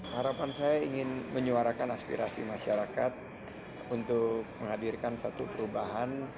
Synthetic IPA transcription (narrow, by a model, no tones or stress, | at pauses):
haɾapansajaiŋɪnməɲuaɾakanaspḭɾasḭmaʃaɾakat̪̚ | unt̪ʊk̚məŋɦhadirkansat̪upəɾubaɦan